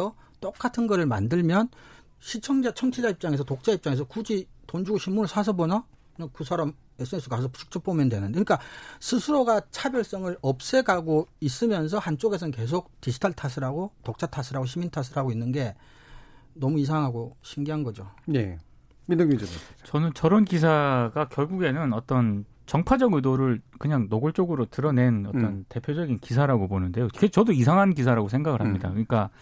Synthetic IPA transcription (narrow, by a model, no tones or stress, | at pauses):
ʌ | t͈ok͈atʰɯnɡʌɾɯɭma̰ndɯɭmjʌn | ɕʰit͡ɕʰʌŋd͡ʑat͡ɕʰʌŋt͡ɕʰid͡ʑaip̚t͡ɕ͈aŋe̞sʰʌtok̚t͡ɕ͈aip̚t͡ɕ͈aŋe̞s̬ʰʌkud͡ʑitond͡ʑuɡoɕʰinmunɯɭsʰasʰʌbona | nʌnkɯsʰaɾam | es͈ɯŋes͈ukaʌsʰʌpu̥t͡ɕʰu̥k̚t͡ɕ͈ʰup̚p͈omjʌndwenɯndekɯnik͈asʰɯsʰɯɾoɡat͡ɕʰabjʌɭs͈ʌŋɯɾʌp̚s͈e̞ɡaɡois͈ɯmjʌns̬ʰʌhant͡ɕ͈oɡe̞s̬ʰʌɯnke̞s̬ʰok̚tisʰi̥tʰaɭtʰas̬ʰɯɾaɡotok̚t͡ɕ͈ʰatʰasʰɯɾaɡoɕ̬ʰimintʰas̬ʰɯɾɦaɡoinːɯnɡe̞ | nʌmuis̬ʰaŋɦaɡoɕʰimɡiɦanɡʌd͡ʑone | minɯɡid͡ʑt͡ɕʌnɯnt͡ɕʌɾʌnkisʰaɡakjʌɭɡuɡe̞nɯnʌt͈ʌn | t͡ɕʌŋpʰad͡ʑʌɡjɯdoɾɯɭkɯɲaŋnoɡɯɭt͡ɕ͈oɡɯɾotɯɾʌne̞nʌt͈ʌnte̞pʰjod͡ʑʌɡinkisʰaɾaɡobonɯnde̞joket͡ɕʌdoisʰaŋɦankisʰaɾaɡosʰe̞ŋɡaɡɯɭɦamɲida̰kɯɲik͈a